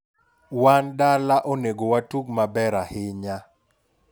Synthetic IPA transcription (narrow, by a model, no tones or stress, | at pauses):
wandalaʔoneɡowatukmabɛɾahɪɲa